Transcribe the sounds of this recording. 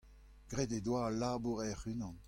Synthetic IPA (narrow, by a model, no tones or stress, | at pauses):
ɡ̥ʁeded̪waːlaːbuʁɛʁynɑ̃n